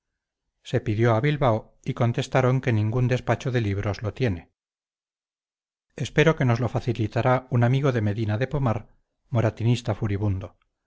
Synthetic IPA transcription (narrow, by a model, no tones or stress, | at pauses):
se̞piðjo̞aβilβao | iko̞nt̪e̞st̪aɾo̞ŋke̞nĩŋɡund̪e̞spat͡ʃoðe̞liβ̞ɾo̞zlo̞t̪je̞ne̞ | e̞spe̞ɾo̞ke̞no̞zlo̞faθilit̪aɾaunamiɣo̞ðe̞me̞ðinaðe̞pomaɾ | mo̞ɾat̪inist̪afuɾiβund̪o̞